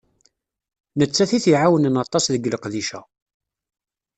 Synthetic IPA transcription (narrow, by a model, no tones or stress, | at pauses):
nət͡sːæθiθiʕawənənɑt̪ˤɑsðəɡləqðiʃæ̰